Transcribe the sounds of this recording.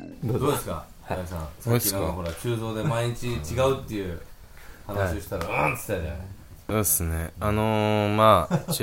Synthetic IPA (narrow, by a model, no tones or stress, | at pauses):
d̪d̪o̞ːd̪e̞sɨ̥ka̰ | aisãsakinãkakoɾaat͡ɕɨːzo̞ːd̪e̞maiɲ̟it͡ɕit͡ɕiɡaɯ̟t̪ːe̞jɯ̟ː | hanaɕioɕi̥t̪aɾaant̪ɨ̥t̪ːad͡ʑa̰n | soːesɨneanoma